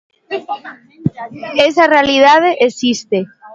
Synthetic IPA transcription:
esarealiðað̞eʔesist̪e

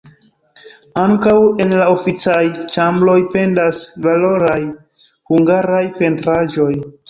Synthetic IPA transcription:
aŋkawe̞nlao̞fit͡sajt͡ʃamblo̞jpe̞ndasvalo̞ɾaj | huŋɡaɾajpe̞ntɾaʒo̞j

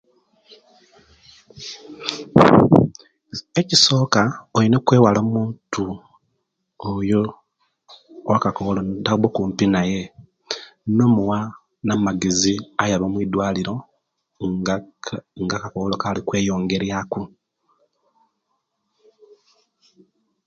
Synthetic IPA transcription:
eciso̞ːkaolinekwe̞ːwaloːmuːntu | ojo | wakakoolotabokuːmpinaje̞ | no̞ːmuwa | namaɡeziajaβamwid̪waːliɾo̞ | ŋɡakakoβolokalikwe̞ːjo̞ːŋɡe̞ɾjaku

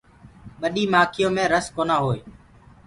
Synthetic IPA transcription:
ɓəɗiːmaːkʰɪjõːmẽːɾəskoːnaːɦoːeː

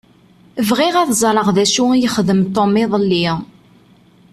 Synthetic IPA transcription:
əvʁiʁæθzˤɾˤəʁðæʃujəχðəmt̪ːomːiðˤəlːi

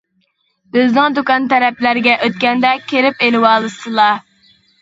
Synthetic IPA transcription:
d̪̥øznɪŋd̪ukɑnt̪ɛɾɛplæɾɪɡʲɛʔøt̪̚kʲɛnd̪ɛkʲʰeɾɪpelɪwɑːlˠɨsɨlˠɑ

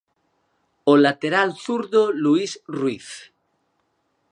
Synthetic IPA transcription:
olat̪eɾalθuɾðoluisrwiθ

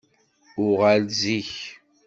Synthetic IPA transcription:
ʊʁalziç

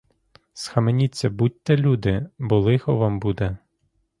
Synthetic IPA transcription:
sxɐmenʲit͡sʲːɐbut̚ʲt̪ɛlʲud̪ɪbɔlˠɪxɔʋɑmbud̪ɛ

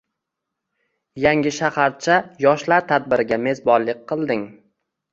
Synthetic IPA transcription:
jaŋʲɪʃahaɾt͡ʃʰajɒʃlaɾt̪ʰad̪̚bɪɾɪɡʲame̞zbɒɾlɪk̚ʲqʰɨlˠd̪ɪŋ

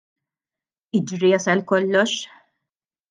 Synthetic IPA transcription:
ɪd͡ʒɾiɐsɛlkɔlːɔʃ

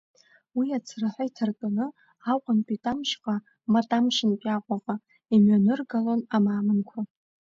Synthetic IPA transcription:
wiat͡sʰraħʷaitʰarkʼanɨ | aqʷʼanpʷʼitʼamʃqʼa | matʼamʃɨnpʲʼaqʷʼaqʼa | imɥanɨrɡalonamaːmɨnkʷʰa

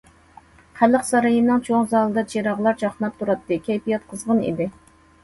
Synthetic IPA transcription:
χælːəqsɑɾɑjɨnɨŋt͡ʃʰoŋzɑːlˠɨd̪ɑt͡ʃʰeɾɑʁlˠɑɾt͡ʃʰɑχnɑp̚t̪ʰuɾɑt̪ːɨkʲʰɛjpijɑt̪̚qʰəzʁənḭd̪ɪ

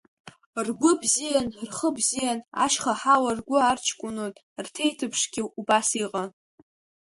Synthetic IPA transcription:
rɡʷʊbzijanrχəbzijana̰ʃχaħawarɡʷʊart͡ʃʰkʷʼʊnotʼ | rtʰejtʰɨpʰʂɡʲɪubasiqʼa

